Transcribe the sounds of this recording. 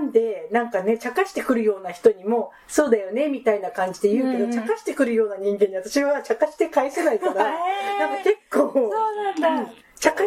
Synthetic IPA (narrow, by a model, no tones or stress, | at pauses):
nd̪e̞nãŋkane̞t͡ɕakaɕi̥t̪e̞kɯ̟ɾɯ̟jo̞ːnaçi̥t̪o̞ɲ̟imo̞ | so̞ːd̪ajo̞ne̞mʲit̪ainakãɲ̟d͡ʑi̥d̪e̞jɯ̟ːked̪ot͡ɕakaɕi̥t̪e̞kɯ̟ɾɯ̟jo̞ːnaɲ̟ĩŋɡẽ̞ɲːiβat̪aɕiβat͡ɕakaɕi̥t̪e̞kaise̞naikananãŋkake̞kʰːoːonãnd̪ɯ̃ɴ | t͡ɕaka